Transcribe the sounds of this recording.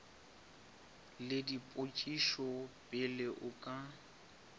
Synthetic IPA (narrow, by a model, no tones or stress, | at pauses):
lɪdipʼʊt͡ʃʼiʃɔpʼɪlɪʔʊkʼa